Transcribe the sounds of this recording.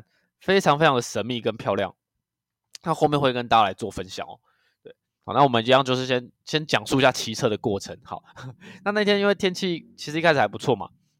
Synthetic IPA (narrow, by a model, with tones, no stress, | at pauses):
fe˥ɪʈ͡ʂʰɑ˧ŋfe˥ɪʈ͡ʂʰɑ˧ŋd̪ə˨˩ʂə˧˥nmi˥˨kə˦npʰjɑ˥˧ʊljɑ̰˥˨˩ŋ | na˥˧xo˥˧ʊmjɛ˥˧nxwɪkə˦nt̪a˥la˧˥ɪt͡swɔ˥˨˩fə˦nɕjɑ̰˨˩˦ŋɔ̰˨˦ | t̪we˥˩ɪ | ɑ˨˩ʊna˥˩wɔ˨˩mə˦ni˧˥jɑ˥˧ŋt͡ɕjo˥˧ʂɻ̩˥˩ɕjɛ˦nɕjɛ˦˥nt͡ɕjɑ˨˩ŋʂu˥˧i˧ɕja˥˨˩t͡ɕʰi˧˥t͡sʰɤ˥˩d̪ə˩kwɔ˥˩ʈ͡ʂʰə˧˦ŋxɑ˨˦ʊna˥˧na˥˩it̪ʰjɛ˥ni˥nwe˥˩ɪt̪ʰjɛ˥nt͡ɕʰi˥˩t͡ɕʰi˧˥ʂɻ̩˧i˥kʰa˥ʂ̩˨˩a˧˥ɪpu˧˦t͡sʰwɔ˥˩ma̰˩